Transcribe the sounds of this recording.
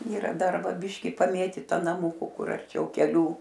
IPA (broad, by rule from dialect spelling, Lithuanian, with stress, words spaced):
iːˈrɐ ˈdɐr ˈʋɐ ˈbʲɪʃʲkʲɪ pɐˈmʲeːtʲiːtɐ nɐˈmʊkʊ ˈkʊr ɐrʲˈt͡ʃʲɛʊ kʲɛˈlʲuː